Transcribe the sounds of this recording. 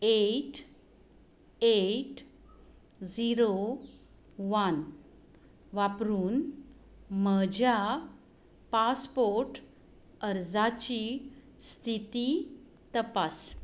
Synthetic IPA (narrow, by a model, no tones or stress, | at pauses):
eʈ | eʈ | d͡ziɾo | ʋan | ʋapɾuːn | məd͡ʑa | paspoɾʈ | əɾd͡zat͡ɕi | st̪ʰit̪i | t̪əpas